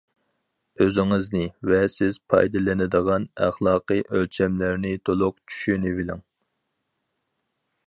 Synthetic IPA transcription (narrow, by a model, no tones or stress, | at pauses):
øzɪŋɨznɪvɛsɪz̥pʰɑ̰jd̪ɨlɪnɪd̪əʁɑnæχlˠɑːqɨʔølt͡ʃʰɛmlɪɾnɪt̪ʰolˠʊqt͡ʃʰy̥ʃynɪvɪlɪŋ